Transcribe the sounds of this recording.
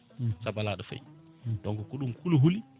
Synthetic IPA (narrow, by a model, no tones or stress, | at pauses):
sabaladəfa̰j̰ | doŋɡukuɗumkuluɦuli